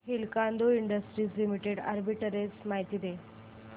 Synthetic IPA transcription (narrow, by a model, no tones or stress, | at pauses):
ɦilkand̪oiɳɖəsʈɾiːslimiʈeɽa̰ɾbiʈəɾet͡smaɦjt̪iːd̪e